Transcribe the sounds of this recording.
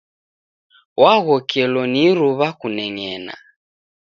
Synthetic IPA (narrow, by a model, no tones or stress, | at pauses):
waɣɔkɛlɔniɾuβakunɛŋɛna̰